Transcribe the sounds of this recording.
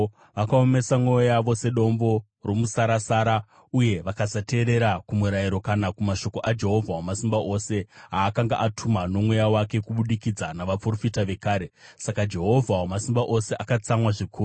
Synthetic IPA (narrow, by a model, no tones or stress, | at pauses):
ʋakaome̞samwojojaʋo̞se̞ɗo̞mbo̞ | romusaɾasaːɾa | uje̞ʋakazate̞ːɾe̞ɾakumuɾajiɾo̞kanakumaʃo̞ko̞ʔad͡ʒe̞ɦo̞vʱawamasimbaʔo̞se̞ɦaːkaŋɡa̰ʔatʰumano̞mwe̞jawake̞kuɓuɗikid͡zanaʋapro̞fitaʋe̞kaːɾe̞sakad͡ʒe̞ɦo̞vʱawamasimbaʔo̞se̞ʔakat͡samwaʐikʰuːu